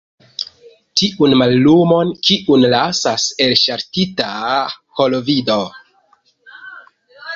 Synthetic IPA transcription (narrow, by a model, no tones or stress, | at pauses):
tiʔunmalːumo̞nkiʔunlasase̞lʃaɾtitaho̞lovido̞